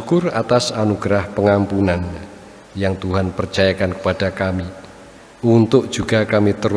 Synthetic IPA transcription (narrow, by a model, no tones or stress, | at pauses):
ukʊrat̪asanuɡ̥ɾahpəŋampunan | jaŋt̪uɦanpərt͡ʃajakankə̥pad̥akami | unt̪ʊʔ̚d̥ʒ̥ṳɡ̥a̤kamit̪əɾu